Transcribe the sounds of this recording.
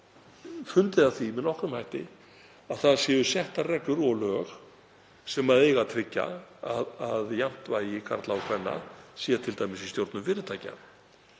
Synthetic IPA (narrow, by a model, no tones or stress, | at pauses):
fʏnt̪ɪðaθimɪðnɔhkɾʏmhajht̪ɪ̰ | aðθaðsjɛːʏsjɛht̪arɛklʏɾɔɣlœːx | sɛmaðeːjɣat̪ʰɾɪcːa̰aðaðjam̥t̪vaːjɪkʰa̰ɾt̪laɔkʰvɛnːa̰siːat̪ʰɪlt̪aːjmɪsist̪jowɾt̪nʏmvɪːɾʏt̪ʰaːjca̰